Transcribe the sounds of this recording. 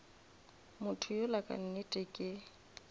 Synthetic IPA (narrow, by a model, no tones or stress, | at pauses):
mʊtʰʊjʊlakʼa̰n̩nɪtʼɪkʼɪ